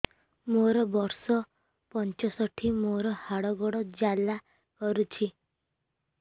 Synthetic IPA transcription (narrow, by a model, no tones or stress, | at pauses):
moɾɔbɔɾsɔ | pɔnt͡ʃɔsɔʈʰimoɾɔhaɽɔɡɔɽɔd͡ʒala | kɔɾut͡ʃʰi